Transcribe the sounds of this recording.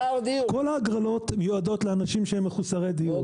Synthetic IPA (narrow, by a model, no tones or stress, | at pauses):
d̪iuko̞laːɡʁalo̞t̪mjuado̞tleanaʃimʃeemːeχusaʁed̪iu